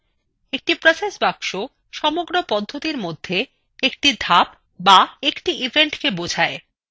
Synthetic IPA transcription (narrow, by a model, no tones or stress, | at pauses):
ek̚ʈipɾosesbakʃo | ʃɔmoɡɾopɔd̪ʱːot̪iɾmod̪ʱːe | ek̚ʈid̪ʱap̚ | baekʈiʔibʱeɳʈkebod͡ʑʱae